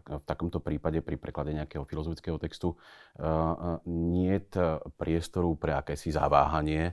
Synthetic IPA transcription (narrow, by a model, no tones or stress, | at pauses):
ft̪akɔmt̪ɔpɾiːpaɟɛpɾipɾɛklaɟɛɲɛakɛːɦɔfilɔzɔfi̥t͡skɛːɦɔt̪ɛkst̪u | ɲɪɛt̪pɾɪɛst̪ɔɾupɾɛakɛːsiza̰ʋa̰ːɦaɲɪɛ